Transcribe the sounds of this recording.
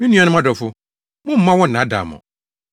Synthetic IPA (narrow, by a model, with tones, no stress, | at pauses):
mĩ˦nũ˦a˨nʊ̃˦m˦ã˦dɔ˨fʊ˦ | mʊ̃˦m̩˦mã˦wɔ˦˨nã˨˦da̰˨mʊ̰̃˨